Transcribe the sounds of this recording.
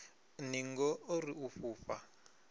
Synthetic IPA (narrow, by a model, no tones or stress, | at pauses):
niŋɡɔoriufuːfa